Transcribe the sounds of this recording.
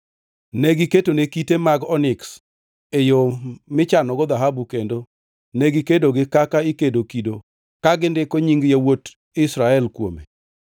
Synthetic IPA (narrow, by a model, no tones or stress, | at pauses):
neɡɪketonekitemaɡɔnɪks | ejomɪt͡ʃanɔɡɔd̪aɦabukendo | neɡɪkedoɡɪkakaikedokido | kaɡɪndɪkoɲiŋɡjawot | ɪsɾaɛlkwo̰mḛ